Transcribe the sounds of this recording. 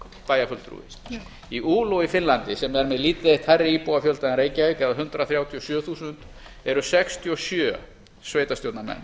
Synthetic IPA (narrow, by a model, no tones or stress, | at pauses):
paːjafʏlt̪ɾṵːvɪ̰s | iʔuːlowifɪnlant̪ɪsɛmɛɾmɛðliːt̪ɪejht̪hajrːɪiːpowafjœlt̪aɪnɾeːjcaekaðɦʏnt̪ɾaθɾjawt̪ʰiɔsjœːθuːsʏnt̪ | ɛɾʏsɛkst̪ʰiɔsjœː | sveːjt̪ast̪jowt̪namɛ̰nː